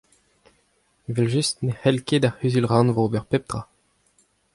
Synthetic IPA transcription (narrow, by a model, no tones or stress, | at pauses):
evɛlʒystnehɛlked̪ahyzylʁɑ̃nvobɛʁpɛp̚d̪ʁa